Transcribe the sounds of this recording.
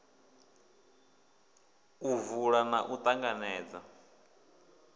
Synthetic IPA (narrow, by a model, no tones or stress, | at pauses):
uvuɺanaʔut̪ʼaŋɡanɛːd͡za